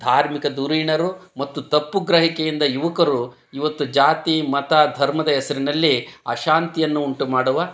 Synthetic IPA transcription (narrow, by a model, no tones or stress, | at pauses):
d̪ʱaːɾmikɐd̪uɾiɳɐɾumɐt̪ːut̪ɐpːuɡɾɐɦikɛjind̪ɐjuʋɐkɐɾu | iʋɐt̪ːud͡ʒaːt̪imɐt̪ɐd̪ʱɐɾmɐd̪ɐɦɛsɐɾinɐlːiɐʃaːnt̪ijɐnːuːɳʈumaːɽuʋɐ